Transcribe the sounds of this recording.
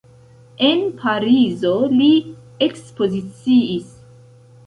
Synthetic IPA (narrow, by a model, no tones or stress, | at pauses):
e̞npʰaɾizo̞li | ekspo̞zit͡siis